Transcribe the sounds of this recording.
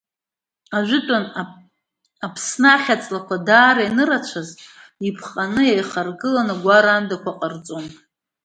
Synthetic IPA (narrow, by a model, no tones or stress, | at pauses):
aʒʷᶣɪtʼon | apʰsnaχʲat͡sʼlakʷadaːɾajnɨrat͡ʃʷʰazipʰχʼanɨjajχarɡɨlanɨɡʷaɾandakʷaqʼart͡sʼon